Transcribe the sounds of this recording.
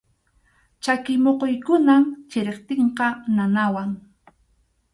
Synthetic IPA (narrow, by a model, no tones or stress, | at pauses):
t͡ʃakɪmoqojkʊnamt͡ʃɪɾeqt̪eɴqɑnanawaŋ